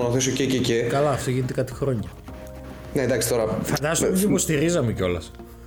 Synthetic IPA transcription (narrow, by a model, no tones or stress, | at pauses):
noθisocececekɐlɐːft̪oʝinet̪e̞kɐt̪i̥xɾo̞ɲɐ | need̪ɐksi̥t̪o̞ɾɐfɐnd̪ɐst̪meipost̪iɾizɐmeceo̞lɐs